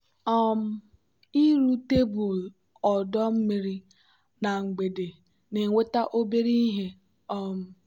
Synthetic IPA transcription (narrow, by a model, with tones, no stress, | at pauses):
ɔ˦m̩˦ | i˦ɾu˦te˦bu˨l | ɔ˨dɔ˦m̩˦me˦ɾi˦ | na˨ŋ̩˨ɡ͡be˨de˨ | ne˨ŋ˨we˦ta˦ʔo˦be˦ɾi˦i˦ɦe˦ | ɔ˦m̩˨